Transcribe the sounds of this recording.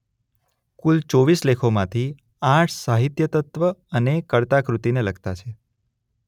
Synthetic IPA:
kult͡ʃoʋislekʰomãt̪ʰi | ãʈʰsaɦit̪jət̪ət̪ʋəənekəɭt̪akɾut̪ineləɡt̪at͡ʃʰe

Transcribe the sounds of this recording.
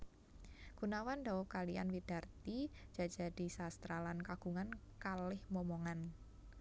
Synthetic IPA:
ɡ̥unawand̪a̤wɔkalia̰nwid̥a̤rt̪i̥ʒ̥a̤d̥d͡ʒ̥a̤d̥i̤sast̪ɾalankaɡ̥ṳŋan | kalɪhmɔmoŋan

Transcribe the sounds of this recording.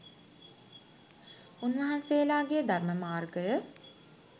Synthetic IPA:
unʋɐɦanseːlaːɡejəd̪ʱarməmaːrɡəjə

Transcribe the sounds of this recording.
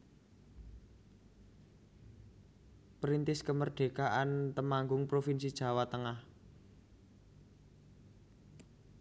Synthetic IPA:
pɾint̪ɪskəmərɖ̥e̤kaʔant̪əmaŋɡʊŋpɾofinsid̥ʒ̥ä̤wat̪əŋah

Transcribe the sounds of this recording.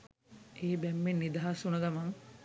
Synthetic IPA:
eːbɛmːenːid̪aɦasunəɡamaŋ

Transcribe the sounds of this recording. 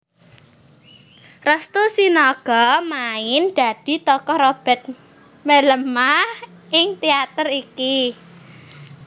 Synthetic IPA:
rəst̪usinɔɡ̥ɔmaɪnɖ̥a̤d̥i̤t̪ɔkɔrob̥ɛ̤t̪̚ | meləmːahɪŋt̪iat̪əriki

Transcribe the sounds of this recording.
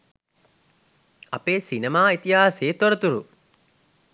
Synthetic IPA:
a̰peːsinemaːit̪iɦaːseːt̪oɾət̪uɾṵ

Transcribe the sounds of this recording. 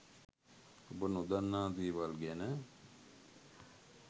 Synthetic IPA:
obənud̪anːaːd̪iːʋalɡɛnə

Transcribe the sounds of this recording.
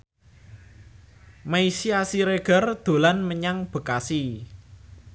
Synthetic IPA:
maisiasiɾeɡ̥ə̤rd̪̥o̤lanməɲaŋb̥ə̤kasi

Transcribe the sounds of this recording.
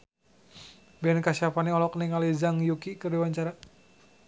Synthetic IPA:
bɛnkasiapaniɔlɔkniŋalizaŋjukikərdiwaɲt͡ʃaɾa

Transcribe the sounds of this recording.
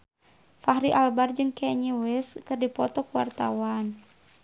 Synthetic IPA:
faɦɾiʔalbard͡ʒɨŋkɛɲewɛskɨrdipɔt̪ɔkuwa̰rt̪a̰wan

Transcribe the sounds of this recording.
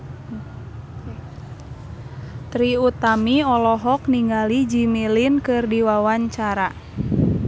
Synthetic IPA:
t̪ɾiut̪amiɔlɔɦɔk̚niŋɡalid͡ʒimilinkɨrdiwawaɲt͡ʃaɾa

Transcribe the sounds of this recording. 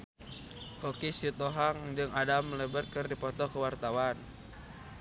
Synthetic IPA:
kokisit̪ɔɦaŋd͡ʒɨŋadamələbərkərdipɔt̪ɔkəwart̪awan

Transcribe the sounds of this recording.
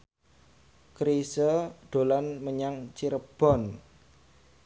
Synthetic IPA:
kɾisəɖ̪̥o̤lanməɲaŋt͡ʃiɾəb̥ɔ̤n

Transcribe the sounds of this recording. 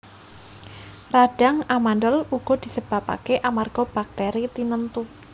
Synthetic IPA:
raɖ̥a̤ŋamanɖɔluɡ̥ɔ̤d̪̥i̤səb̥a̤pa̰keʔamarɡ̥ɔb̥ak̚t̪ɛɾit̪inənt̪u

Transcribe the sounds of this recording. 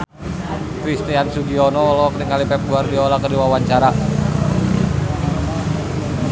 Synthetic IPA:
kɾist̪iansuɡiɔnɔɔlɔk̚niŋalipɛp̚ɡuardiɔlakərdiwawaɲt͡ʃaɾa

